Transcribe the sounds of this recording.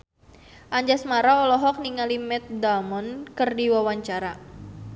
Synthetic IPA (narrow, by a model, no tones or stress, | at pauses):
ʔaɲd͡ʒasmaɾaɔlɔɦɔk̚niŋalimɛt̪̚damɔnkɨrdiwawaɲt͡ʃaɾa